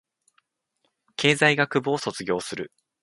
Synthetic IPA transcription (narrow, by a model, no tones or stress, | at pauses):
kʰe̞ːzaiɡakɯ̟boːso̞t͡sɨɡʲo̞ːsɨɾɯ̟̰